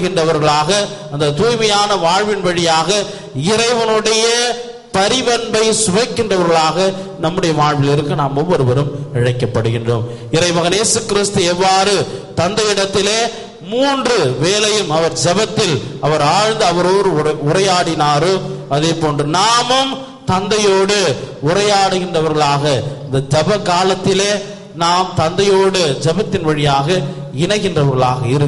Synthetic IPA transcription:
ɣɪndrɐʋɐɾɣɐɭaːɣɐ | ɐnd̪ɐt̪uːjmɐjaːnɐʋaːɻʋɪnʋɐɻɪjaːɣɐ | ɪɾɐɪʋɐnɯɽɐjɐ | pɐɾɪbɐnbɐɪsʊʋɐɪkːɪndrɐʋɐɾɣɐɭaːɣɐnɐmːɯɽɐjɐʋaːɻʋɪlɪɾɯkːɯnaːmɔmːɔɾɯʋɐɾɯmɪɻɐɪkːɐpːɐɽɯɣɪndro̰ːm | ɪɾɐɪʋɐɣɐneːsɯkɪɾɪst̪ɯɛʋːaːɾɯt̪ɐnd̪ɐjɪɽɐt̪ːɪleː | muːndrɯʋeːlɐjɯmɐʋɐɾd͡ʒɛbɐt̪ːɪlɐʋɐɾaːɻnd̪ɯɐʋɐɾoːɽɯʊɾɐjaːɽɪnaːɾoɐðeːpoːndrɯnaːmɯm | t̪ɐnd̪ɐjoːɽɯʊɾɐjaːɽɯɣɪndrɐʋɐɾɣɐɭaːɣɐɪnd̪ɐd͡ʒɛbɐkaːlɐt̪ːɪleː | naːmt̪ɐnd̪ɐjoːɽɯd͡ʒɛbɐt̪ːɪnʋɐɻɪjaːɣɐ | ɪnɐɣɪndrɐʋɐɾɣɐɭaːɣɐɪɾɯ

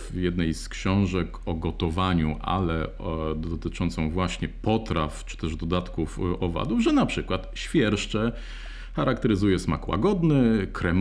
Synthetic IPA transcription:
jɛd̪nɛjskɕɔ̃w̃ʐɛkɔɡɔt̪ɔvaɲuʔa̰lɛ | d̪ɔt̪ɘt͡ʂɔnt̪sɔ̃w̃vwaɕɲɛpɔt̪ɾaft͡ʂɘ̥t̪ɛʐd̪ɔd̪at̪kufɔva̰d̪uvʐɛnapʂɘkwat̪ɕfʲjɛɾʂt͡ʂɛ | xaɾak̚t̪ɛɾɘzujɛsma̰kwa̰ɡɔd̪nɘkɾɛm

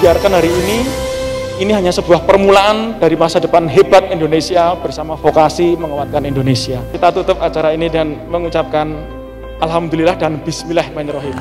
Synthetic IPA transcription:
biarkanɦaɾiːni | iniɦaɲasəbuahpərmulaand̥aɾimasadəpanɦebat̪̚indonesiab̥ərsamafokasiməŋəwat̪̚kanindonesiait̪at̪ut̪ʊpat͡ʃaɾainidəŋanməŋut͡ʃap̚kan | ʔalɦamd̪ulilahdanb̥ismilahmaɲɾɔɦin

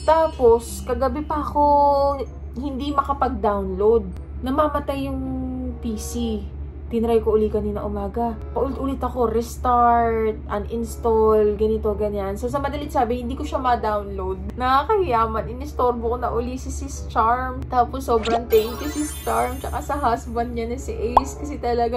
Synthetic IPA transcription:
t̪aːpo̞skɐɡɐbɛpɐʔɐko̞ | hɪnd̪imɐkɐpɐɡ̚d̪awnlowd̪̚ | nɐmamɐt̪ajːʊŋpiːsi | t̪ɪnɾajkoʔʊliːkɐninɐʔʊmaːɡɐ | kɐʔʊlɪt̪ʔʊlɪt̪ɐko̞ɾɛst̪aɹt̪̚ʔɐŋʔɪnst̪olɡɐnɪt̪o̞ɡɐɲːansos̬ɐmɐd̪ɐlɪt̪saːbɪhɪnd̪iːkoʃamɐd̪awnlowd̪̚nɐakɐhɪjaːmɐnʔɪnɪst̪o̞ɾbokonɐʔʊlisɪsɪst͡ʃaɹmt̪aːposːoːbɾɐnt̪ɛŋkɐsɪst͡ʃaɹmt͡ʃɐkasɐɦasbɐnd̪̚ɲanɐsɪʔɛjskɐsɛt̪ɐlɐɡa

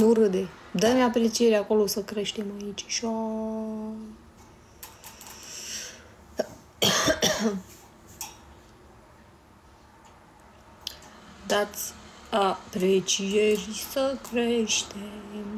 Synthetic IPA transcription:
nuɾɨd̪e | d̪əneapɾe̞t͡ʃieɾako̞lo̞səkɾe̞ʃt̪e̞mait͡ʃʲʃo | d̪at̪sʲapɾet͡ʃierʲsəkɾeʃt̪em

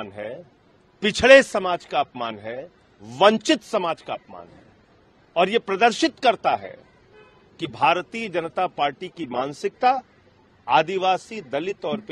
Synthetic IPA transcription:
nɦɛ | pɪt͡ʃʰɭesɐmaːd͡ʒkaɐpmaːnɦɛ | ʋɐ̃ɲt͡ʃɪt̪sɐmaːd͡ʒkaːpma̰ːnɦɛ | ɔːɾjepɾɐd̪əɾʃɪt̪kɐɾt̪aɦɛ̰ | kibʱaːɾt̪iːəd͡ʒɐnət̪apaːɾʈikimaːnsɪk̚t̪a | aːd̪ɪʋaːsid̪ɐlɪt̪ɔːɾp

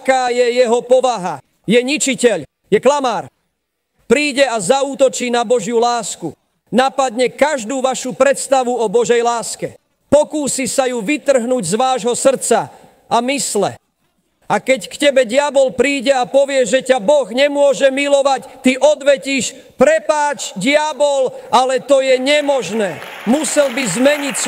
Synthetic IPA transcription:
kaːjɛjɛɦɔpɔʋaɦa | jɛɲit͡ʃicɛʎ | jɛklamaːɾ | pɾiːɟɛazauːt̪ɔt͡ʃiːnabɔʒɪjulaːsku | napad̪ɲɛkaʒd̪uːʋaʃupɾɛt̪st̪aʋuɔbɔʒɛjlaːskɛ | pɔkuːsisajuʋit̪r̩ɦnuːɟzʋaːʒɦɔsr̩t̪t͡sa | ʔamislɛ̰ | akɛckcɛbɛɟɪabɔlpɾiːɟɛapɔʋɪɛʒɛcabɔɣɲɛmʊɔʒɛmilɔʋact̪iʔɔd̪ʋɛciːʃ | pɾɛpaːt͡ʃɟɪabɔlalɛt̪ɔjɛɲɛmɔʒnɛːmusɛlbizmɛɲics

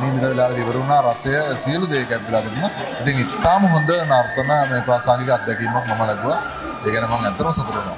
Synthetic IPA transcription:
niːmit̪aɾilaːlɐɡiʋəɾuːnaːɾasɐjəsiəlud̪eːkæt̪̚d̪ilaːt̪inuna | it̪iŋit̪ːaːməɦond̪ənaɾt̪ənəmeːpɾaːsaːŋɡik̬əat̪̚d̪akiːmakmɐməlaɡuʋa | eːkænəmaŋɛnt̪ːɐɾəmɐsɐt̪uɾunʋa

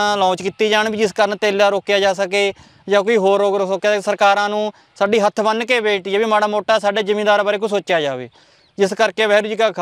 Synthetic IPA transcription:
lɔ̃ːt͡ʃkiːt̪iːd͡ʒaːɳbiːd͡ʒɪskəɾnt̪eːlaːɾoːkjaːd͡ʒaːsəkeː | d͡ʒãːkoiːɦoːɾːoːkɾoːsokjaːsəɾkaːɾãːnũː | saːɖiːɦət̪ʰːbənkeːbeːʈijeːbiːmaːɽaːmoːʈːaːsaːɖeːd͡ʒɪmeːd̪aːɾbaːɾeːkʊsoːt͡ʃjaːd͡ʒaːʋḛː | d͡ʒɪskəɾkeːʋɛːɾud͡ʒiːkaːkʰ

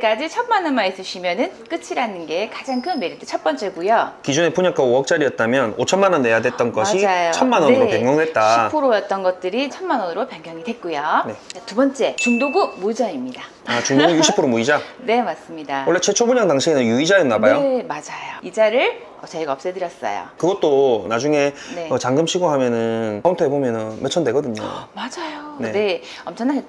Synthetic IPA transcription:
k͈ad͡ʑit͡ɕʰʌnmanʌnmais͈ɯɕʰimjʌnɯnk͈ɯt͡ɕʰiɾanɯnɡe̞kad͡ʑaŋkʰɯnme̞ɾitɯt͡ɕʰʌt̚p͈ʌnt͡ɕ͈e̞ɡujokid͡ʑune̞pʰuɲak͈aoʌk̚t͡ɕ͈aɾijʌt̚t͈amjʌnot͡ɕʰʌnmanʌnːe̞jadwe̞t̚t͈ʌnɡʌmaɕaid͡ʑajot͡ɕʰʌnmanʌnɯɾopjeŋjʌŋdwe̞t̚t͈aɕipʰoɾojʌt̚t͈ʌnɡʌt̚t͈ɯɾit͡ɕʰʌnmanʌnɯɾopjʌŋjʌŋidwe̞t̚k͈ujonetubʌnt͡ɕ͈e̞t͡ɕuŋdoɡumuid͡ʑʌimɲida | at͡ɕuŋdoɡujuɕʰipʰoɾomuid͡ʑane̞mas͈ɯmɲidawʌɭːe̞t͡ɕʰet͡ɕʰobuɲaŋdaŋɕʰienɯnjuid͡ʑaedonabajomad͡ʑajoid͡ʑaɾɯɭ | ʌt͡ɕaiɡaʌp̚s͈edɯɾjʌs͈ʌ̰jo̰kɯɡʌt̚t͈onad͡ʑuŋe̞ne̞ʌt͡ɕaŋɡɯmɕʰiɡoɦamjʌnɯnʌuntʰɯɦebomjʌnʌnmet͡ɕʰʌndwe̞ɡʌdɯɲo̰mad͡ʑajone̞ne̞ | ʌmt͡ɕʰʌnːaet͈

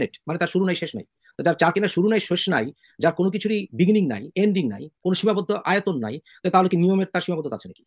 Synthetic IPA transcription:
neʈmanet̪aɾʃuɾunajʃeʃna̰j | t̪od͡ʑaɾt͡ɕaɾkenaɾʃuɾunajʃeʃnaj | d͡ʑaɾkonokit͡ɕʰuɾibiɡniŋna̰jeɳɖiŋna̰jkonoʃimapod̪ʱːoʔaet̪onːa̰jt̪abet̪aɦolekenijomeɾt̪aɾʃimapod̪ːot̪a̰t͡ɕʰenaki̥

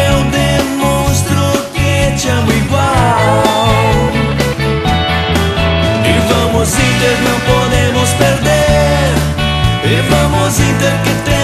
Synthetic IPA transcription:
wd̪emõst̪ɾʊket͡ʃɪɐmʊiɡwaw | ɪvɐ̃mʊzĩt̪eɾnɐ̃w̃pod̪ẽmʊspeɾd̪eɾ | evɐ̃mʊzĩt̪eɾkɪt̪ẽ

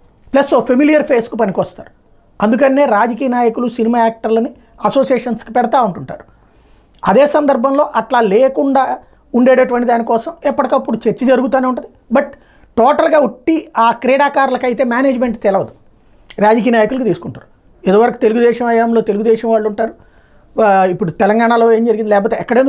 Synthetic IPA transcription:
plɐsoːpʰemilijɐɾpʰeːskupɐnikʋɐst̪a̰ːɾu | ɐnd̪ukɐnːeːɾaːd͡ʒɐkiːjɐnaːjɐkulusinimaːjaːk̚ʈɐɾlɐni | ɐso̞ːsijeːʂɐnskipɛɽɐt̪aːuɳʈuɳʈa̰ːɾu | ɐd̪eːsɐnd̪ɐɾbʱɐmlo̞ːʔɐʈlaːleːkuɳɖaː | uɳɖeːɽɐʈuʋɐɳʈid̪aːnikɔːsɐmɛpːɐʈikɐpːuɽut͡ʃeɾt͡ʃːid͡ʒɐɾuɡut̪̬aːneuɳʈɐnd̪ibɐʈ̚ | ʈoːʈɐlɡaːoʈːiaːkɾɛːɽaːkaːɾlɐkɐjt̪e̞ːmjaːneːd͡ʒme̞ɳʈt̪ɛlɐʋɐd̪u | ɾaːd͡ʒɐk̬ijɐnaːjɐkulukit̪iːsu̥kuɳʈa̰ːɾu | it̪oʋɐɾɐku̥t̪e̞luɡud̪ɛːʃɐmɐjaːmloːt̪e̞luɡud̪ɛːʃɐmʋaːɭːuɳʈaːɾu | ipːuɽut̪ɛlɐŋɡaːɳɐlo̞ːe̞ːmd͡ʒɐɾɡind̪lɛːp̬oːt̪eːɛkːɐɽend̪

